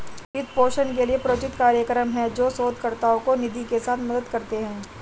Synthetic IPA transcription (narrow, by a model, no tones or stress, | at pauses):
ɪt̪ʰpoːʃənkeliepɾoːt͡ʃɪt̪kaːɾjəkɾəmɦɛ̃d͡ʒoːsoːd̪̚kɐɾt̪aõkonɪd̪ʱikesaːt̪ʰmɐd̪əd̪kɐɾt̪eɦɛ̃ː